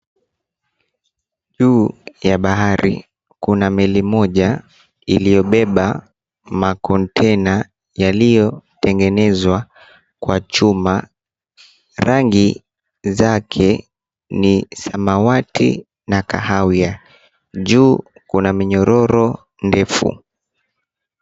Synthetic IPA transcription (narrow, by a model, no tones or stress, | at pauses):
ʄuːjaɓaɦaɾḭ | kunamɛlimɔʄa | ilijɔɓɛɓa | makɔntʰɛna | jalijɔtɛŋɡɛnɛzwa | kwat͡ʃuma | ɾaŋɡi | zakʰɛ | nisamawatʰḭ | nakahawia | ʄuːkunamiɲɔɾɔɾɔ | ndɛfṵ